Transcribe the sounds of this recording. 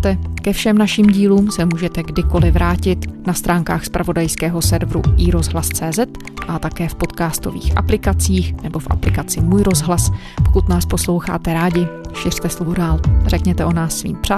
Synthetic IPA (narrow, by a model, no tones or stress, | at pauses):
t̪ɛkɛfʃɛmnaʃiːmɟiːluːmsɛmuːʒɛt̪ɛɡdɪko̞lɪvɾaːcɪt̪nast̪ɾaːŋkaːxspɾʔavo̞dajskɛːɦo̞sɛɾvɾṵʔiɾo̞zɦlast͡sɛːzɛt̪ | ʔat̪akɛːfpo̞t̪kaːst̪o̞̰vḭːxʔa̰plɪkat͡siːxnɛbo̞fʔa̰plɪkat͡sɪmuːjɾo̞zɦlas | pokut̪naːsposlo̞wxa̰ːt̪ɛɾaːɟɪʃɪr̥t̪ɛslovodaːlrɛkɲɛt̪ɛʔo̞naːsːvḭːmpr̥a